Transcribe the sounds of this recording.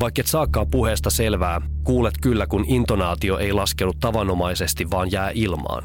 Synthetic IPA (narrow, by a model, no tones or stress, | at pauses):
ʋɑjkːet̪sɑːkːɑːpuɦe̞ːst̪ɑse̞lʋæːkuːlet̪kylːækunint̪o̞nɑːt̪io̞ʔejlɑskenut̪t̪ːɑʋɑno̞mɑjse̞st̪iʋːɑːnjæːʔilmɑ̰ːn